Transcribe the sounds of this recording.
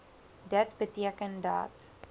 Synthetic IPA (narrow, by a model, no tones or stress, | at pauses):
dətbətiəkənda̰t